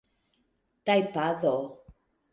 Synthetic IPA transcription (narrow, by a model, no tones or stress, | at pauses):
t̪ajpaðo